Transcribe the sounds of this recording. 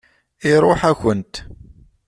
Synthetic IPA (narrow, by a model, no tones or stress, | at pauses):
iɾˤoħæçənt̪